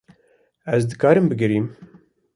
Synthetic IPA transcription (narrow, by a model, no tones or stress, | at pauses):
ɛzd̪ɨkɑːɾɨmbɨɡɨɾiːm